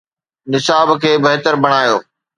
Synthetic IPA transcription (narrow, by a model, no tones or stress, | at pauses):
nɪsaːbkʰeːbɐɦt̪əɾbɐɽ̃aːjoː